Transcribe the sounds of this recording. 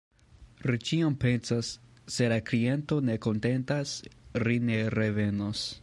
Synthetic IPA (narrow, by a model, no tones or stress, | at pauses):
ɾit͡ʃiompe̞nsasːe̞laklie̞nto̞ne̞ko̞nte̞ntasline̞ɾe̞ve̞nos